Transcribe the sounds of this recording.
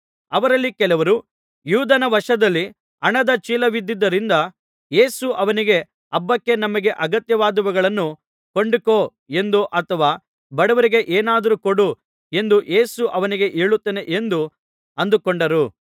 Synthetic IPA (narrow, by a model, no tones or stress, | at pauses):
ɐʋɐɾɐlːikɛlɐʋɐɾu | juːd̪ɐnɐʋɐʂɐd̪ɐlːi | ɐɳɐd̪ɐt͡ʃiːlɐʋid̪ːid̪ːɐɾind̪ɐ | je̞ːsuʔɐʋɐniɡe̞ | ɐbːɐkːe̞nɐmɐɡe̞ʔɐɡɐt̪jɐʋaːd̪ɐʋuɡɐɭɐnːu | ko̞ɳɖikoː | e̞nd̪uʔɐt̪ʰɐʋaː | bɐɽɐʋɐɾiɡe̞ʔeːnaːd̪ɐɾukoɽu | e̞nd̪uʔe̞ːsuʔɐʋɐniɡe̞ʔeːɭut̪ːene̞ʔe̞nd̪u | ɐnd̪ukoɳɖɐɾu